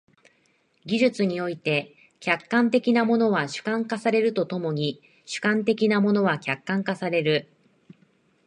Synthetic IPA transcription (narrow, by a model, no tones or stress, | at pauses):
ɡʲiʑɨt͡sɨɲ̟io̞it̪e̞ | kʲakːãnt̪e̞kʲinamo̞no̞βaɕɨ̥kãŋkasaɾe̞ɾɯ̟t̪o̞t̪o̞mo̞ɲ̟i | ɕɨ̥kãnt̪e̞kʲinamo̞no̞βakʲakːãŋkasaɾe̞ɾɯ̟